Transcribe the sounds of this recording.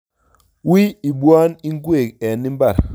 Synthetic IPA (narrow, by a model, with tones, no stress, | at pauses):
wi˦i˨bu˦a˦ni˦ŋ˦ɡe˦˨kɛ˨ni˦mba˦˨ɾ